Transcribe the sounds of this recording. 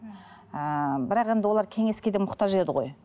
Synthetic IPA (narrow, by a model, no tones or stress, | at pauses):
əbɪɾɑqe̞nd̪ɪwolˠɑɾkʲʰe̞ŋe̞skʲe̞d̪emʊqt̪ɑʒe̞d̪ɪʁo̞̰j